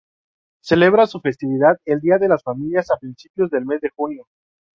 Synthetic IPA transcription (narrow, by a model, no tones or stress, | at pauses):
se̞le̞βɾasufe̞st̪iβ̞iðaðe̞ld̪iaðe̞lasfamiljasapɾinsipjo̞zðe̞lme̞zðe̞xunjo̞